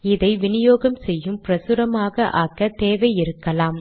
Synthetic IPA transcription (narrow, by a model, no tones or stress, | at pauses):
ɪðɐɪʋɪnɪjoːɣɐmsɛjːɯmpɪɾɐsɯɾɐmaːɣɐʔaːkːɐt̪eːʋɐɪjɪɾɯkːɐlaːm